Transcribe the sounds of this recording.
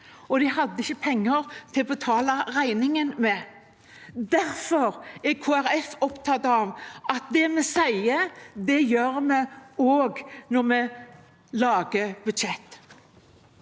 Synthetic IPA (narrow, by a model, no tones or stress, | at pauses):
ɔd̪ɪhɑd̪ːəɪçːəpʰɛŋːəɾt̪ʰɪlɔbət̪ʰɑːlɑʁæɪnɪŋənmɛ | d̪æɾfɔɾɛkʰoːæʁɛfɔpt̪ʰɑt̪ːɑʋɑt̪̚d̪ɛmɛsæɪəd̪ɛjøːɾmɛoːɡnɔʁmɛ | lɑːɡəbʉd̪ʃɛt̪ː